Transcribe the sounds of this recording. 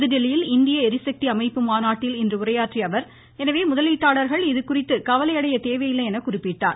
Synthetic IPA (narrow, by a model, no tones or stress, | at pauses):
ðɯɖɛlɪjɪlɪnd̪ɪjɐɛɾɪsɐk̚t̪iɐmɐɪpːɯmaːnaːʈːɪlɪndrɯʊrɐjaːʈriɐʋɐɾ | ɛnɐʋeːmʊðɐliːʈːaːɭɐɾɣɐɭɪðɯkʊrɪt̪ːɯkɐʋɐlɐjɐɽɐjɐt̪eːʋɐjɪlːɐɛnɐkʊrɪpːɪʈːa̰ːn